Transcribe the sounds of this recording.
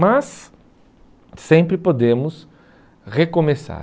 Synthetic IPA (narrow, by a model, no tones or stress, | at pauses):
mɐs | ẽmpɾɪpod̪ẽmʊs | ʁekõmesa̰